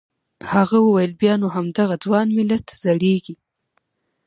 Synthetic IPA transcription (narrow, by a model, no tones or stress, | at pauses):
haɣawəwajəlbjɑnoɦamd̪aɣad͡zwɑnmɪlat̪zaɽeɡi